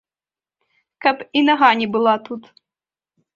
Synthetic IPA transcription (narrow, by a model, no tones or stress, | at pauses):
kʰapʰʼinaɦanʲibɨlˠatʰutʰ